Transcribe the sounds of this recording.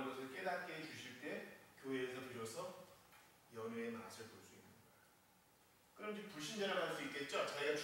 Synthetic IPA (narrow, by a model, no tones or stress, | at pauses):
nɡʌsʰɯɭk͈e̞dat̚k͈ʰet͡ɕuɕʰiɭt͈e̞kjoɦe̞ːsʰʌpiɾosʰʌ | jʌŋeenaaɕʰiɭpoɭs͈uinːɯɲa | kɯɾʌmd͡ʑopuɭɕ̬͈ʰind͡ʑaɾɯɾɦaɭs͈uitk͈e̞t̚t͡ɕ͈ot͡ɕajʌt͡ɕ